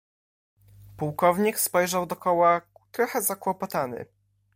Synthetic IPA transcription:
puwkɔvɲikspɔjʐawd̪ɔkɔwat̪ɾɔxɛzakwɔpɔt̪anɘ̰

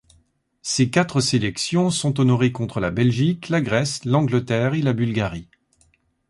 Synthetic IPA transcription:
sekat̪χəselɛksjɔ̃sɔ̃t̪ɔnɔʁekɔ̃t̪χəlabɛlʒiklaɡʁɛslɑ̃ɡlət̪ɛʁelabylɡaʁi

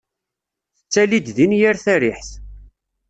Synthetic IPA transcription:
θət͡sːælid̪ðinjæɾθæɾɪħθ

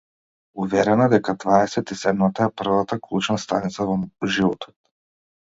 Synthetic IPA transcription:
uvɛɾɛnad̪ɛkad̪vaɛsɛt̪isɛd̪mat̪aɛpr̩vat̪aklˠut͡ʃnast̪anit̪savɔʒivɔt̪ʰɔ̥t̪̚

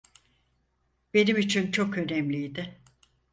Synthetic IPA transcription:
be̞nimit͡ʃʰint͡ʃʰo̞kø̞nɛmlʲijd̪ɪ

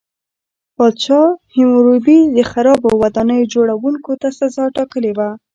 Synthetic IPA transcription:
pɑd̪ʃɑhɪmɾobid̪əxaɾɑbowad̪ɑnəjod͡ʒoɽawuŋkot̪asazɑʈɑkəlewa

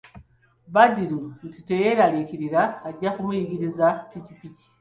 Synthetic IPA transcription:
badiluntite̞je̞ɾaliciɾiɾaːɟːakumujiɡiɾizaicipici̥

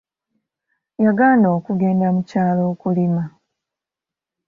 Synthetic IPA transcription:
jaɡaːndo̞ːkuɡe̞ːndamucaːlo̞ːkulima

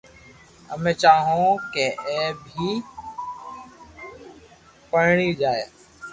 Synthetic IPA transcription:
ə̰mẽːt͡ʃaːɦõːkeːeːbʱiː | pəɽɳiːd͡ʒaːeː

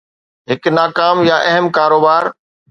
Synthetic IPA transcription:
ɦɪknaːkaːmjaʔɛɦəmkaːɾoːbaːɾ

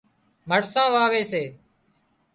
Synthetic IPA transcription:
məʈsãːʋaːʋeːseː

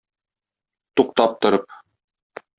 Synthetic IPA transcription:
t̪uqt̪ɑp̚t̪ŏɾɤp̚

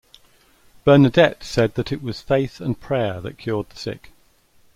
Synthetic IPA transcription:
b̥ɜːnədɛtsɛd̪̚ðətʰɪʔwɒz̥feɪθə̃npʰɹ̥ɛːðə̰ʔkʰj̥ɔːd̪̚ðəsɪ̰k

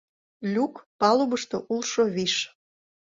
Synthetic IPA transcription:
lʲukpɑlubəʃt̪oʔulʃoβiʃ

